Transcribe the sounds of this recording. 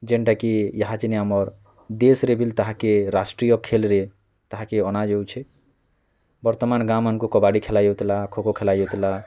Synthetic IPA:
d͡ʒeɳʈakijəɦat͡ʃineamɔɾ | d̪esɾebilt̪əɦakeɾasʈɾijɔkʰːelɾe | t̪əɦakeɔnad͡ʒewt͡ʃʰe | bəɾt̪ɔmanɡamənkokɔbaɽikʰelajot̪lakʰokokʰelajot̪la

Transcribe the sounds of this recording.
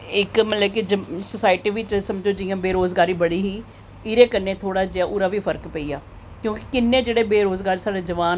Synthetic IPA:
ɪkmət̪ləbkid͡ʒəsəsaːɪʈiːʋɪt͡ʃsəməd͡ʒoːd͡ʒɪjãːbeːɾoːzɡaːɾiːbəɽiːɦiː | ɪɾeːkənːeːt̪ʰoːɽaːd͡ʒeaːʔuːɾaːʋiːpʰəɾkpəiːaː | kjõːki̥kɪnːẽːd͡ʒeːɽeːbeːɾoːzɡaːɾisaːɽeːd͡ʒəʋaːn

